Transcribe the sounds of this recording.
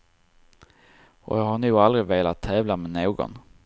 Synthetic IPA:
ɔ̰jɑːɡhaɳʉ̟ːald̪ɾɪveːlat̪ʰːɛːvlamɛnoːɡɔ̰n

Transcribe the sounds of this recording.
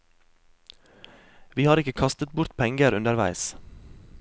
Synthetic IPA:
ʋiːhɑːɾɪkəkʰɑst̪ət̪̚bʊɾt̪pʰɛŋɡəɾʉnd̪əɾʋæ̰ɪs

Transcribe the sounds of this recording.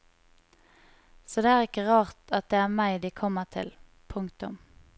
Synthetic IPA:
sɔd̪eːæːʁɪkəʁɑːʁt̪ɑt̪̚d̪eːæːʁmæɪd̪ikʰɔmːəʁt̪ʰɪ̰l | pʰʊŋkt̪ʊm

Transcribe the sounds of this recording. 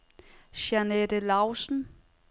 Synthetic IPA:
ʃænedəlɑʊsn̩

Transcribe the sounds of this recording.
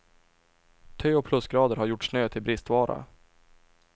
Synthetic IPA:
t̪ʰœːɔpʰlɵsɡɾɑːd̪əɾhaɾjʊʈːʂnøːt̪ʰɪlbɾɪst̪vɑːɾa̰

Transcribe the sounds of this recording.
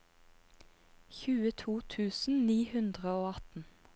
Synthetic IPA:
çʉːət̪ʰuːt̪ʰʉːsn̩niːhʉnd̪ʁəoːɑt̪n̩

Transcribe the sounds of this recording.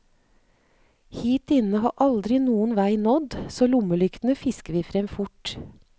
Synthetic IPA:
hiːt̪ɪnəhɑ̰ːʔɑld̪ɾɪnuːənʋæɪnɔd̪soːlʊməlʏkt̪n̩əfɪskəʋiːfɾɛmfʊʈ

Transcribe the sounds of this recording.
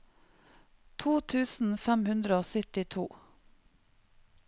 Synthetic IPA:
t̪ʰuːt̪ʰʉːsn̩fɛmhʉnd̪ɾəoːsœt̪ɪt̪ʰuː

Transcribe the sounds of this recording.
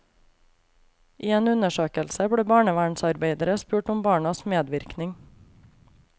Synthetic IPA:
ʔiːeːnʉnəʃøːkəlsəbɽeːbɑːɳəʋæːɳsɑɾbeɪd̪əɾəspʉːʈʊmbɑːɳɑsmeːd̪ʋɪɾknɪŋ

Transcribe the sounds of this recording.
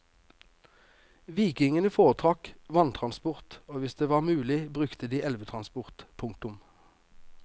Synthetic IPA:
ʋiːkɪŋənəfoːʁət̪ʰʁɑkʋɑnt̪ʰʁɑnspʊʁt̪oːʋɪsd̪eːʋɑːʁmʉːlɪbʁʉkt̪əd̪iːʔɛlʋət̪ʰʁɑnspʊʁt̪pʰʊŋkt̪ʊm

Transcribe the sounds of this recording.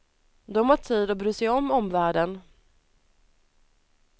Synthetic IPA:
d̪ɔmhaʈʰiːd̪ɔbɾyːsɛjɔmːɔmvæːɖən

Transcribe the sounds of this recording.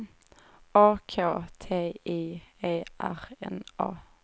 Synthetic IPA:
ɑːkʰoːt̪ʰeːiːeːʔæʁɛ̰nʔɑ̰ː

